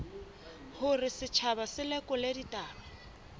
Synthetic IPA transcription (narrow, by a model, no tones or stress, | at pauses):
hʊrɪsɪt͡ʃʰabasɪlɛkʼɔleditʼaːba